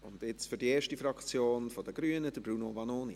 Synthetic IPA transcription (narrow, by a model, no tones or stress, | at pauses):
ʊndɪt͡sfyɾdieːʃtifɾɑkt͡sjoːnfod̥əɡ̥ɾyːənəd̥əbɾunovɑnoːnḭ